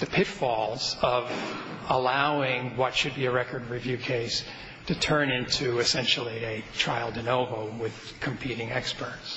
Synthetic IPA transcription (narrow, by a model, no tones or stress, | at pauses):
ðɨpʰɪtfɔlˠz̥ʌv | əlaʊɪ̃ŋwʌtʃɨd̚biɨɹɛkə˞d̚ɹivjʉkʰeɪs | tʰɨtʰɜ̃˞nɪ̃ntʰʉɨsɛ̃nʃl̩ˠiɨtʰɹ̥aɪlˠdɨnoʊvoʊwɪð̥ | kʰɨ̃m̩pʰiɾɪ̃ŋɛkspə˞ts